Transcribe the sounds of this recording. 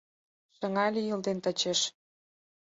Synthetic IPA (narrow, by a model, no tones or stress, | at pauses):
ʃə̆ŋɑlʲejəld̪ent̪ə̆t͡ɕeʃ